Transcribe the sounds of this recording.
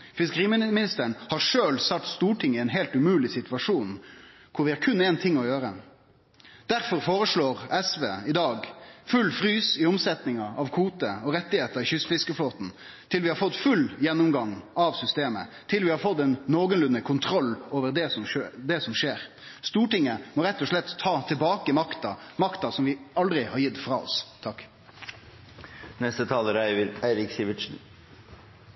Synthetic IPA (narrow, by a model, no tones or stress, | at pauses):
fɪskəʁiːmɪmɪnɪst̪əəɳhɑʁʂøːlsɑt̪st̪uːʈʰɪŋːəɪɛnɦɛːlt̪ʉmʉːlɪsɪt̪ʋɑʂuːn | kʰʊɾʋɪhæːɾkʰʉnːɛːnt̪ʰɪŋːɔjøːɾə | d̪̥æɾfɔɾfoːɾəʂɭoːʁɛsʋḛːɪd̪ɑːɡfʉlːfɾyːsɪɔmsɛt̪nɪŋɑɑʋkʰuːt̪əɔɾɛt̪ːɪheːt̪əɾɪçʏsfɪskəfloːt̪n̩ | t̪ʰɪlʋɪhɑɾfɔt̪ːfʉljɛnːʊmɡɑŋɑʋsʏst̪eːmə̰t̪ʰɪlʋɪhɑːɾfɔt̪ːɛnːoːɡənlʉnːəkʰʊnt̪ʰɾɔlːoːʋəɾd̪ɛsɔmød̪ɛsɔmʂeːɾ | st̪uːʈɪŋːəmɔːɾɛt̪ːɔʂɭɛt̪ʰːɑːt̪ʰɪlbɑːkəmɑkt̪ɑmɑkt̪ɑsɔmʋɪɑld̪ɾɪhɑɾjɪt̪ːfɾɑ̰ːɔ̰st̪ʰɑk | nɛst̪ət̪ʰɑːləɾæɪʋəɾæɪɾɪksiːʋɪʃn̩